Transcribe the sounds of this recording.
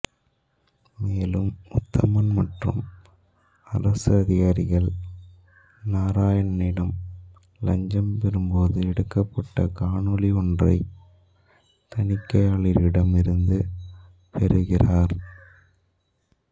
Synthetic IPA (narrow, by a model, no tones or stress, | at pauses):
meːlɯmʊt̪ːɐmɐnmɐʈrɯ̰m | ɐrɐsɯɐðɪɣaːɾɪɣɐɭ | naːɾaːjɐnɐnɪɽɐm | lɐɲd͡ʒɐmpɛɾɯmboːðɯɛɽɯkːɐpːɐʈːɐ̰kaːɳɯlɪɔndrɐ̰ɪ | t̪ɐnɪkːɐjaːɭɪɾɪɽɐmɪɾɯnd̪ɯ | pɛɾɯɣɪraːɾ